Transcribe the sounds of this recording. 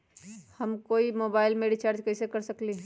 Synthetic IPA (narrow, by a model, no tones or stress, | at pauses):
həmkoimobaɪlmeɖit͡ʃaɾd͡ʒkəɪsekəɾsəkli